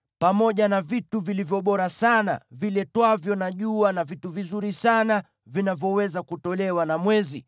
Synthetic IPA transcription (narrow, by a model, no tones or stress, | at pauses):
pamɔʄanavituvilivjɔɓɔɾasana̰vilɛtwavjɔnaʄuanavituvizuɾisana | vinavjɔwɛzakutɔlɛwanamwɛzi